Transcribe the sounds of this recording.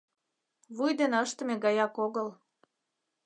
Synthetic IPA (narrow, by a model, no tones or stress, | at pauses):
βujd̪enəʃt̪ə̆meɡɑjɑkoɣəl